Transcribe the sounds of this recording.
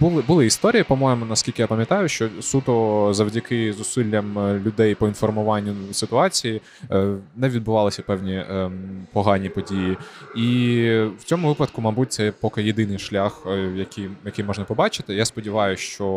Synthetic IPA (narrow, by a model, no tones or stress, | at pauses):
bʊlˠɪbʊlˠɪist̪ɔɾʲijipɔmɔjɪmʊnɐskʲilʲkɪjapɐmʲjɐt̪ɑjʊʃt͡ʃɔsut̪ɔzɐʋwdʲɐkɪzʊsɪlʲːɐmlʲʊd̪ɛjpɔinfɔrmʊʋɑnʲːʊsɪt̪ʊɑt͡sʲiji | nɛʋʲid̪̚bʊʋɑlˠɪsʲɐpɛwnʲi | pɔɦɑnʲipɔdʲijiiwt͡sʲɔmʊʋɪpɐd̪kʊmɑbut̚ʲt̪sɛjpɔkɪjɪd̪ɪnɪjʃlʲaxjɐkʲijjɐkɪjmɔʒnɐpɔbɑt͡ʃɪ̥t̪ɪjaspɔdʲiʋɑjʊʃt͡ʃɔ